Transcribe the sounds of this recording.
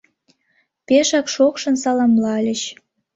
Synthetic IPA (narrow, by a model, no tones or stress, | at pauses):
peʃɑkʃokʃɤ̆nsɑlɑmlɑlʲə̆ɕ